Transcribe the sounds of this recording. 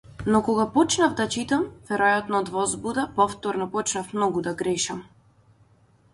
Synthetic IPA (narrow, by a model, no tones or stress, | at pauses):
nɔkɔɡapɔt͡ʃnavd̪at͡ʃit̪amvɛɾɔjat̪nɔd̪vɔzbud̪apɔft̪ɔɾnɔpɔt͡ʃnafmnɔɡud̪aɡɾɛʃam